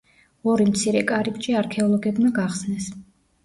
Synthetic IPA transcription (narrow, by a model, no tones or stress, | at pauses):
ɔɾimt̪sʰiɾɛkʼaɾib̚t͡ʃʼiaɾkʰɛɔlˠɔɡɛbmaɡaχsnɛs